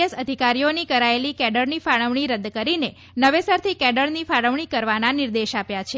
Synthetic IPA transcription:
əsəd̪ʱikaɾijonikəɾaelikɛɖəɾnifaɽəʋɳ̃iɾəd̪ːkəɾine | nəʋesəɾt̪ʰikɛɖəɭnifaɽəʋɳ̃ikəɾʋananiɾd̪eʃapjat͡ʃʰe

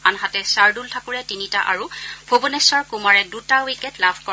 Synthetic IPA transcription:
anɦatɛsaɹdultʰakuɹɛtinitaʔaɹubʰʱobunɛsɔɹkumaɹɛdutawikɛtlabʰʱkɔ

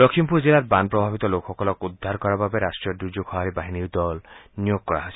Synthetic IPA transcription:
dɔkʰimpuɾzilatbanpɾɔbʱabit̪ɔlokʰxɔkɔlɔkud̪ʱːaɾkɔɾababeɾasʈɹijɔd̪ud͡ʒokʰɔɦaɾibaɦiniwd̪ɔlnijoɡ̚kɔɹa̰ɦojsi

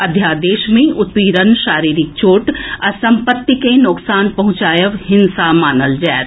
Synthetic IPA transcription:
ɐd̪ʱjaːd̪eːʃmẽʔʊt̪ʋiːɾənʃaːɾiːɾɪk̚t͡ʃoːʈɐsɐ̃mpət̪ːikẽnʊksaːnpɐɦʊ̃t͡ʃaːjəʋɦɪnsamaːnəld͡ʒaːt̪

